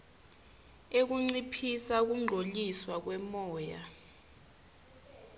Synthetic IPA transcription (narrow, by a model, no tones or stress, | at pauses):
ek̬uŋ͡ǀipʰisak̬uŋ͡ǃʱoliswak̬wɛmɔːja